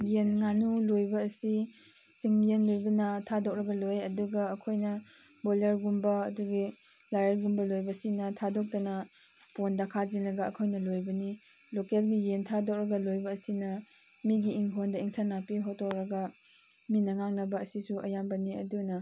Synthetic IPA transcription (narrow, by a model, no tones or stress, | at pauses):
jenŋanulojbɐːsi | t͡ʃiŋjenlojbɐnɐtʰadok̚ɾɐɡɐlojɐduɡɐːkʰojnɐ | bolɐɾɡumbɐːduɡi | lajeɾɡumbɐlojbɐsinɐtʰadok̚tɐnɐ | pondakʰazinlɐɡɐɐkʰojnɐlojbɐni | lokelɡijentʰadok̚ɾɐɡɐlojbɐːsinɐ | miɡiːŋkʰondɐiŋsʰanapiɦotok̚ɾɐɡɐ | minɐŋaŋnɐbɐːsisuʔɐjambɐniɐ̰dunɐ